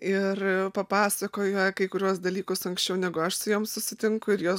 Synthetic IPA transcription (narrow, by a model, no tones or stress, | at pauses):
ɪrpɐpɑːsɐkoːjɐkɐɪkʊɾʲuɔsd̪ɐlʲiːkʊsɐŋksʲt͡ʃʲɛʊnʲæːɡʊɐʃsʊjuːmssʊsʲɪt̪ʲɪŋkʊɪɾjuː